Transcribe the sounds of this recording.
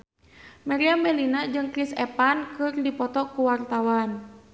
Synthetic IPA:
mɛɾiambɛlinad͡ʒɨŋkɾisɛpankɨrdipɔt̪ɔkuwart̪awan

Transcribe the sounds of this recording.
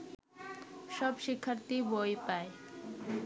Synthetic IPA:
ʃɔbʃikʰːaɾt̪ibojpae

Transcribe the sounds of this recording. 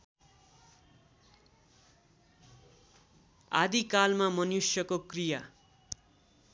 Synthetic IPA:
a̰d̪ikalmamʌnusjʌkokrija

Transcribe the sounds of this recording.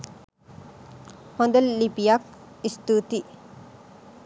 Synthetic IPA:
hond̪əlːipijak̚ist̪ut̪i

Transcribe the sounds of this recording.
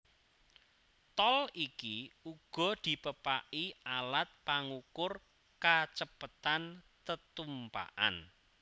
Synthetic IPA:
t̪ɔlikiuɡ̥ɔ̤d̪̥i̤pəpaʔialat̪̚paŋukʊr | kat͡ʃəpət̪an | t̪ət̪umpa̰ʔa̰n

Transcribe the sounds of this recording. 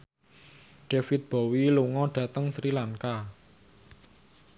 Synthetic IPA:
ɖ̥efɪt̪̚b̥ɔ̤wiluŋɔɖ̥a̤t̪əŋsɾilaŋka

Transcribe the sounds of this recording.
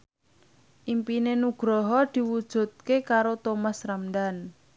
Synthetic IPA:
ʔimpinenuɡ̥ɾɔɦɔd̪̥i̤wud̥ʒ̥ṳd̪̚kekaɾot̪omasramdan

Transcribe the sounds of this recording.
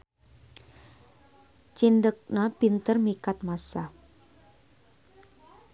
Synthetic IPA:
t͡ʃindək̚napint̪ərmikat̪̚masa

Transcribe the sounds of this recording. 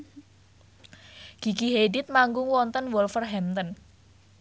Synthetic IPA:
ɡ̥i̤ɡiɦedɪt̪̚maŋɡʊŋwɔnt̪ənwɔlfərɦɛmt̪ən

